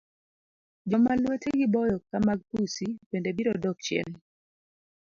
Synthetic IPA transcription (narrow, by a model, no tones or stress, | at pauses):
d͡ʒɔmalweteɡɪbɔjɔkamaɡ̚pusipendebiɾɔdɔk̚t͡ʃɛ̰l